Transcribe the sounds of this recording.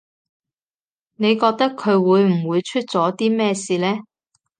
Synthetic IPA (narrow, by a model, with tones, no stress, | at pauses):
ne˨˧jkɔː˧k̚t̪ɐ˥kʰːɵ˨˧ɥwuː˨˧jm̩˨˩wuː˨˧jt͡ʃʰy˥t̚t͡sɔː˨˥t̪iː˥mɛː˥siː˧lɛː˥